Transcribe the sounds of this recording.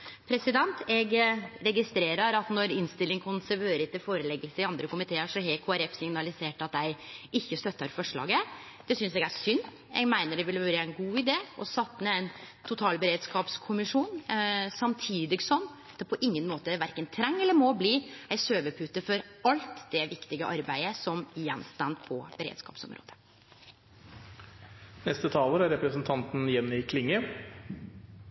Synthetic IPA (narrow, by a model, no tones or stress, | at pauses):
pʰɾɛsɪd̪ɛnt̪ɛɡɾɛɡɪst̪ɾeːɾəɾɑt̪nɔɾɪnst̪ɪlːɪŋkʰʊnsæɾʋeːɾət̪ɪfoːɾəlɛɡəlsəɪɑnd̪ɾəkʊmɪt̪ʰeːəʂɔɦɛkʰoːæɾɛfsɪŋnɑlɪseːʈɑt̪æɪɪçːəst̪œt̪ːəɾfɔʂɭɑ̰ːɡə | d̪̥ɛsʏnsɛːɡæʂʏnː | ɛ̰ɡmæɪnəɖɛʋɪlʋøːɾəæɪnɡuːɪd̪eːɔsɑt̪ːmɛæɪnt̪ʰʊt̪ʰɑːlbəɾeːd̪skɑːpskʰʊmɪʂuːnsɑmt̪ʰiːd̪ɪɡsɔmː | d̪̥ɛpʰɔʔɪŋːənmoːt̪əʋæɾkənt̪ʰɾɛŋːɛlːəɾmɔbliːæɪsøːʋəpʰʉt̪ːəfɔɾɑlt̪d̪̥ɛʋɪkt̪ɪɡəʔɑɾbæɪəsɔmɪjɛnst̪ɑnpʰɔb̥əɾḛːd̪skɑ̰ːpsɔ̰mɾo̰ːd̪ə̥ | nɛst̪ət̪ʰɑːləɾæɾɛpɾəsnt̪ʰɑnt̪n̩jɛnːɪkʰlɪŋːə